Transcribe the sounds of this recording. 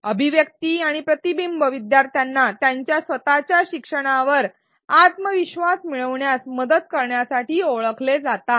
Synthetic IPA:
əbʱiʋjək̚t̪iaɽ̃ipɾət̪ibimbəʋid̪jaɾt̪ʰjanːat̪jaɲt͡ɕjasʋət̪at͡ɕjaɕikʂəɽ̃aʋəɾ | at̪məʋiɕʋasmiɭəʋɳjasməd̪əd̪kəɾɳjasaʈiːoɭəkʰled͡zat̪a

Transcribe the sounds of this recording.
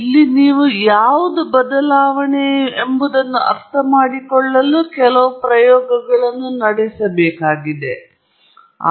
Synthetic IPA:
ilːiniːʋujaːʋud̪ubɐd̪ɐlaːʋɐɳeembud̪ɐnːuʔɐ̰ɾt̪ʰɐmaːɽikɔɭːɐlukɛlɐʋupɾɐjɔːɡɐɡɐɭɐnːunɐɽɛsɐbɛːkaːɡid̪e | a̰

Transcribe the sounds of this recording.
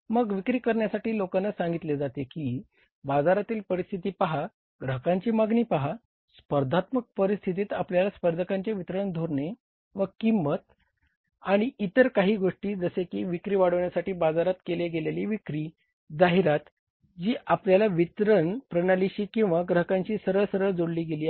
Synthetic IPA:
məɡʋikɾiːkəɾɳjasaʈiːlokanːasãŋɡit̪led͡zat̪ekiː | bad͡zaɾat̪iːlpəɾist̪ʰit̪iːpaɦa | ɡɾəɦəkãɲt͡ɕiːmaɡniːpaɦa | spəɾd̪ʱat̪mək̚pəɾist̪ʰit̪iːt̪apljalaspəɾd̪ʱəkaɲt͡ɕeʋit̪ɾəɳd̪ʱoɾɳe | ʋəkimːət̪̚ | aɽ̃iit̪əɾkaɦiːɡoʂʈiːd͡zəsekiːʋikɾiːʋaɽəʋɳjasaʈiːbad͡zaɾat̪keleɡeleliːʋikɾiː | d͡zaɦiɾat̪ | d͡ʑiːʔapljalaʋit̪ɾəɳpɾənaliɕiːkĩw̃ʋaɡɾəɦəkãɲt͡ɕiːsəɾəɭsəɾəɭd͡zoɽliːɡeliːa

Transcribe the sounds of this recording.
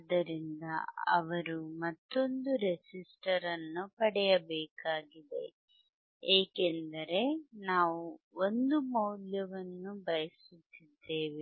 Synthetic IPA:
d̪ɐɾind̪ɐ̰ɐ̰ʋɐɾumɐt̪ːo̞nd̪uɾesisʈɐɾɐnːupɐɽɛjɐbɛːkaːɡid̪e̞̰ | eːkend̪ɐɾe̞naːʋu | o̞nd̪umɐwljɐʋɐnːubɐjɐsut̪ːid̪ːe̞ːʋi

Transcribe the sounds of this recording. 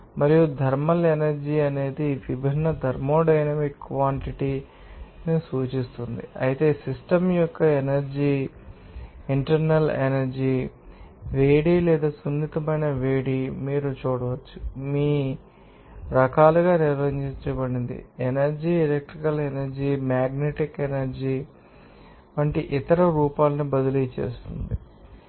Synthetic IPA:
mɐɾijud̪ʱɐɾmɐlenɐɾd͡ʒiːɐne̞ːd̪iʋibʱinːɐd̪ʱɐɾmo̞ːɖɐjnɐmikːʋaːɳʈiʈi | nisuːt͡ʃist̪und̪ḭɐ̰jit̪e̞ːsisʈɐmjɔkːɐenɐɾd͡ʒiː | iɳʈɐɾnɐlḛnɐɾd͡ʒiː | ʋeːɽiːlɛːd̪aːsund̪it̪ɐmɐjnɐʋeːɽimiːɾut͡ʃuːɽɐʋɐt͡ʃːumiː | ɾɐkaːluɡaːniɾʋɐiɲt͡ʃit͡ʃɐbɐɽind̪ḭenɐɾd͡ʒielek̚ʈɾikɐlenɐɾd͡ʒimaːɡneʈikenɐɾd͡ʒi | ʋɐɳʈiʔit̪ɐɾɐɾuːpaːlɐnibɐd̪ɐlit͡ʃḛːst̪und̪i

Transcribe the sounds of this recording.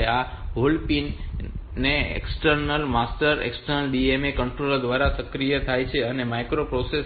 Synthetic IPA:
a | ɦolpinneḛksʈəɾnəlmasʈəɾḛksʈəɾnəlɖiemekə̃ɳʈɾoləd̪ʋaɾasəkɾijət̪ʰajt͡ʃʰeənemajkɾopɾose

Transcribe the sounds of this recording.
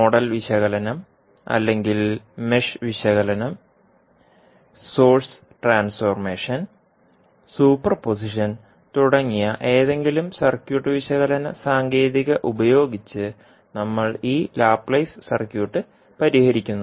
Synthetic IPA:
moɽɐlʋiɕɐɣɐlɐnɐm | ɐ̰lːe̞ŋɡilmeʂʋiɕɐɣɐlɐnɐm | so̞ːrs | ʈraːnsformeːʂɐn | suːpːɐrpos̬iʂɐn | t̪uɽɐŋːijɐʔe̞ːðe̞ŋɡilumsɐrkjuːʈːɨʋiɕɐɣɐlɐnɐsaːŋɡe̞ːðiɣɐʔubɐjo̞ːɡit͡ɕːɨ | nɐmːɐɭiːlaːpːɭɐjssɐrkjuːʈːɨ | pɐɾihɐɾikʲːunːɐð

